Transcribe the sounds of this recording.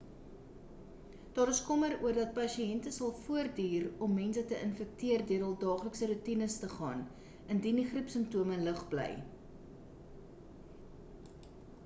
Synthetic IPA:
d̥ɑːɾəskɔməɾuərdɐt̚pɐʃiɛntəsɐlˠfuərdiːrɔmːɛnsətəʔənfək̚tiərdiəɾɑlˠdɑːχləksəɾutinəstəχɑ̰ːn | əndindiχrəpsəmptuəmənləχblɛ̰j

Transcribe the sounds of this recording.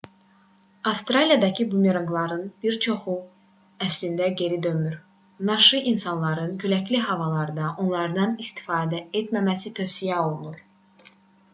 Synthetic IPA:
ɑfst̪ɾɑlijɑd̪ɑcʰibumeɾɑŋɡlˠɑɾɯnbiɾt͡ʃʰo̞χu | æslind̪æɟe̞ɾid̪ø̞myɾ | nɑʃɯʔinsɑnlˠɑɾɯncʰølæcliɦɑvɑlˠɑɾd̪ɑʔo̞nlˠɑɾd̪ɑnist̪i̥fɑːd̪æe̞t̪mæmæsit̪ʰø̞fsijæo̞lˠunuɾ

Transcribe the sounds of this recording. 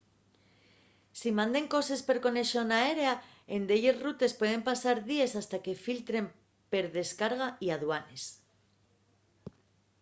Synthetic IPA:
simãnd̪e̞ŋko̞se̞spe̞ɾko̞ne̞ʃo̞nae̞ɾea | e̞nd̪eʎe̞zrut̪e̞spwe̞ð̞e̞mpasaɾðie̞sast̪ake̞filt̪ɾe̞m | pe̞ɾðe̞skaɾɣ̞aiaðwane̞s

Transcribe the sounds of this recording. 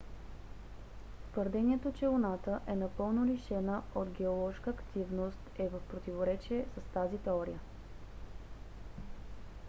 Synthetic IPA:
t̪vəɾd̪ɛniɛt̪ot͡ʃɛonat̪əʔɛnɐpɤlˠnoliʃɛnəod̪ɡɛolˠɔʃkəːkt̪ivnost̪ɛvəfpɾot̪ivoɾɛt͡ʃiɛsəst̪azit̪ɛɔɾḭjə

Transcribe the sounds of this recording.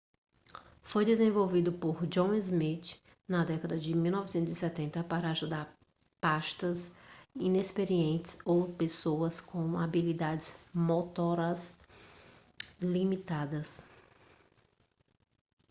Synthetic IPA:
fojd̪ezẽvowvid̪ʊpoɾd͡ʒõw̃izmit͡ʃ | nɐd̪ɛkɐd̪ɐd͡ʒɪmiwnɔvɪsẽnt̪ʊzisɛt̪ẽnt̪ɐpaɾɐaʒud̪aɾ | paʃt̪ɐsĩnespeɾiẽnt͡ʃ̪ɪ̥sowpesoɐskõw̃abilid̪ad͡ʒɪz̥mot̪ɔɾɐs | limit̪ad̪ɐs

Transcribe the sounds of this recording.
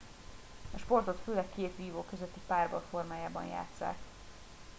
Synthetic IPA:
ɒʃpo̞rt̪o̞t̪føːlɛkːeːt̪ʋiːvoːkø̞zøt̪ːipaːrbɒlfo̞rmaːjaːbɒ̰nja̰ːt̪sa̰ːk

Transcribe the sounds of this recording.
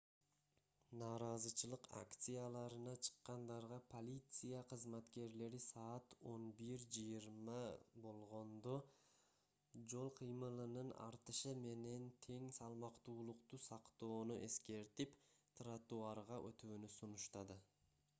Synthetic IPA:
nɑːɾɑzɯt͡ʃʰɯlˠɯqa̰kt̪sɨjalˠɑɾɯnɑt͡ʃʰɨ̥qːɑnd̪ɑɾʁɑpʰo̞lʲit̪sɨjaqʰɯzmat̪ke̞ɾle̞ɾisɑːt̪o̞nbiɾd͡ʒɯjɯɾmɑbo̞lˠʁo̞nd̪o̞ | d͡ʒo̞lˠqʰɯjmɯlˠɯnɯnɑ̰ɾt̪ɯʃɯme̞ne̞nt̪ʰe̞ŋsɑlˠmɑqt̪uːlˠuqt̪usɑqt̪o̞ːnuʔe̞ske̞ɾt̪ipt̪ʰrat̪uɑɾʁɑʔø̞̰t̪yːnysunuʃt̪ɑd̪ɯ

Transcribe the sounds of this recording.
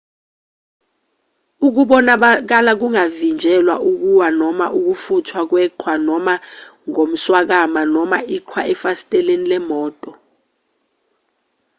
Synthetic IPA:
uk̬uɓɔnak̬alak̬uŋavind͡ʒʱɛlwa̰ʔuk̬uwanɔmaʔuk̬ufutʰwak̬wɛǃʰwanɔmaŋom̩swak̬amanɔmaʔiǃʰwaʔɛfasi̥tʼɛlenilɛmɔːtʼɔ

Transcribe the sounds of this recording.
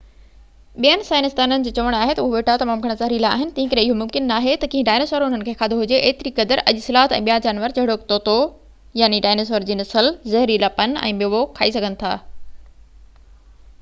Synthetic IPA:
ɓijənɪ̆saːɪnɪst̪aːnənɪ̆d͡ʑiːt͡ɕɐʋəɽ̃aːɦet̪ɐʊɦoʋeːʈʰat̪ɐmaːmɡʱɐɽ̃əzɐɦɾilaːɦɪnɪ̆t̪ɐ̃ɦɪ̃kɐɾeɪɦomʊ̃mkɪnːaːɦet̪ɐkĩɦĩɖaːɪnɪsʋəɾʊn̤ənɪ̆kʰeːkʰaːd̪ʱoɦʊd͡ʑeʔeːt̪ɪɾikɐd̪əɾʔɐʄʊsɪlaːɦət̪ɛ̃ːɓijad͡ʑaːnʋəɾt͡ɕɐɦɪɽokt̪oːt̪o | jaːniɖaːnɪs̬ʋəɾd͡ʑiːnɐsəlzɐɦɾilapɐnɛ̰̃ːɓɪoʋokʰaːisɐɡʱənɪ̆t̪ʰa̰ː

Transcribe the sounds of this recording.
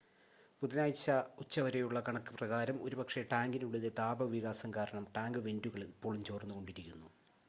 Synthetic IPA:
puðinaːjt͡ɕːɐut͡ɕːɐʋɐɾɐjuɭːɐkɐɳɐkːɨ̥prɐɣaːɾɐmo̞ɾubɐkʂeʈaːŋɡinuɽeðet̪aːbɐʋiɣaːsɐmkaːɾɐɳɐmʈaːŋɡɨʋe̞nduɣɐɭipːo̞ːɭumt͡ɕo̞ːrnːuɣo̞ɳɖiɾikʲːunːu

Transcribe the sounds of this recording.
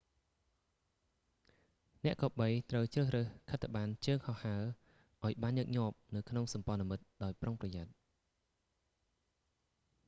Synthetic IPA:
nɛ̆əʔkɑːɓəjt̪rəwt͡ɕrəːhrəːhkʰət̪ʰːăɓaːnt͡ɕəːŋhɑhːaə | ʔaɔjɓaːnjəːk̚ɲŏəp̚nɨwkʰnoŋsɑmpŏənamɨt̪̚ɗaɔjproŋprɑjat̪̚

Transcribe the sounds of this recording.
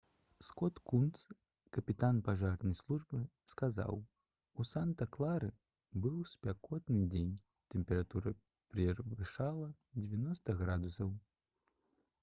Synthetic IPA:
skɔt̪kunt̪s | kɐpʲit̪anpaʐarnɐjslˠuʐbɨ | skaza̰w | usant̪ɐklˠaɾɨ | bɨwsʲpʲakɔt̪nɨd͡zʲenʲ | t̪ɛmpʲɛɾat̪uɾɐ | pɾɛvɨʂalˠɐ | d͡zʲɛvʲanɔst̪ɐɣɾad̪usɐw

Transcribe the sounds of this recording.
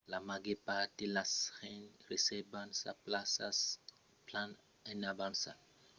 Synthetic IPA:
lamaɡepatilasχɛnresɛbansa̰plasa̰s | plan | ɛnabãnsa̰

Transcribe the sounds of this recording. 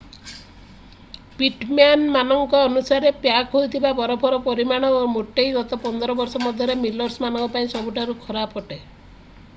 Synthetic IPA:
piʈmanmanɔŋkɔːnusaɾepjakɦojt̪ʰibabɔɾɔpʰɔɾɔpɔɾimaɽ̃ɔomoʈejɡɔt̪ɔpɔnd̪ɔɾɔbɔɾsɔmɔd̪ʱjɔɾemilɔɾsmanɔŋkɔpaĩsɔbuʈʰaɾukʰɔɾapɔʈe

